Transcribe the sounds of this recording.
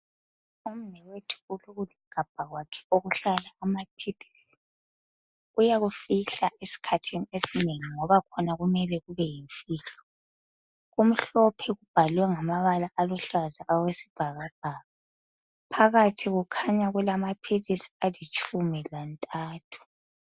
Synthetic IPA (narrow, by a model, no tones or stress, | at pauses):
um̩nɛwetʰu̥uluɣuliɡ̥ʱab̥̚ʱaɣwakʰɛ̥oɣuɬalaːmapʰilisi̥ | ujaɣufiɬaʔesi̥kʰatʰiniesineŋiŋɔβakʰɔnaɣumɛlɛɣuβɛjiɱfiːɬɔ | ɣum̩ɬɔpʰɛɣub̥ʱalwɛŋamaβalaʔːlɔɬazaʔawesi̥b̥ʱaɣab̥̚ʱaːɣa | pʰaɣatʰiɣukʰaɲaɣulamapʰilisi̥alit͡ʃʼumilantʼaːtʰu̥